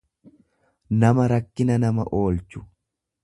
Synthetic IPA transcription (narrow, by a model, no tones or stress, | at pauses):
nɐmɐɾɐkːɪnɐnɐmɐʔoːlt͡ʃːʊ̥